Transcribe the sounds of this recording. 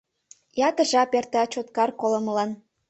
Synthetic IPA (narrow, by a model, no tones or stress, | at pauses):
jɑt̪ə̆ʒɑpert̪ɑt͡ɕot̪kɑrkolŏməlɑn